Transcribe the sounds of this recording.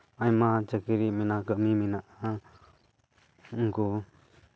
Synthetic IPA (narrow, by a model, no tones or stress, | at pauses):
ajmat͡ʃəkiɾiminakəʔmiminaʔa | ŋ̩ku